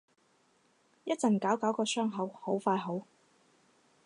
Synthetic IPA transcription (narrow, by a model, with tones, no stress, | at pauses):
jɐ˥t̚t͡sɐ˨˩nkaː˨˥wkaː˨˥wkɔː˧sœː˥ŋɦɐ˨˥who˨˥wfaː˧jɦo˨˥w